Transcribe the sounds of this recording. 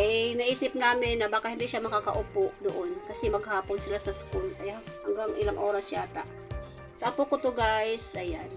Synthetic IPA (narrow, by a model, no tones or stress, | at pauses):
ajnɐʔiːsɪp̚naːmɪnːɐbaːkahɪnd̪iʃamɐkakɐʔʊpoʔd̪ʊʔonkɐsɛmɐɡhaːponsɪlasɐskulʔɐjhɐŋɡaŋʔɪlaŋʔoːɾɐsjaːt̪a̰ʔ | sɐʔɐpokʊt̪ʊɡajsʔɐjan